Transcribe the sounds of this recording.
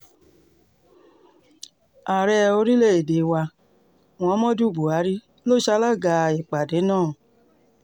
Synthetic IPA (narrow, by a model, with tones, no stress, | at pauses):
a˨ɾɛ˧o˧ɾi˦le˦˨e˨de˨˦wa˧ | w̃ɔ̃˨˧˦mɔ̃˦du˦˨bu˨a˨˦ɾi˦ | lo˦˨ʃa˧˦la˦ɡa˧i˨k͡pa˨de˨˦nãː˦˨